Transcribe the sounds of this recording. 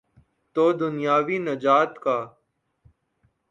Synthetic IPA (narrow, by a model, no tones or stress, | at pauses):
t̪oːd̪ʊnjaːʋiːnəd͡ʒaːt̪kaː